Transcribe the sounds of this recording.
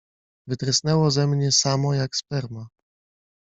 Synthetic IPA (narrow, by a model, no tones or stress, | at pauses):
vɘt̪ɾɘsnɛwɔzɛmɲɛsamɔjakspɛɾma